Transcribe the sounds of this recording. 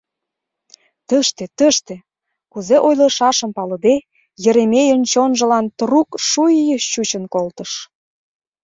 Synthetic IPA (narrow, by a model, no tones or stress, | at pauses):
t̪əʃt̪ĕt̪əʃt̪ĕ | kuzeʔojlə̆ʃɑʃəmpɑlə̆d̪e | jə̆ɾemejənt͡ɕonʒə̆lɑnt̪rukʃujjəɕut͡ɕənkolt̪əʃ